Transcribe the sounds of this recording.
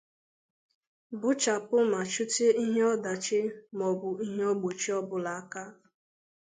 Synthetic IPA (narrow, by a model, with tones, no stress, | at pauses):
bʊ˦t͡ʃa˨pʊ˦ma˨t͡ʃu˦te˦i˦ɦe˦ɔ˦da˨t͡ʃɪ˦mɔ˨bʊ˨i˦ɦe˦ɔ˦ɡ͡bo˨t͡ʃi˦ɔ˦bʊ˨la˨a˦ka˦